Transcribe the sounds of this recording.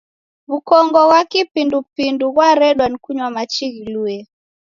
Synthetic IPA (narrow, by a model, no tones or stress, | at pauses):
βukɔŋɡɔɣwakipindupinduɣwaɾɛɗwankuɲwamat͡ʃiɣiluɛ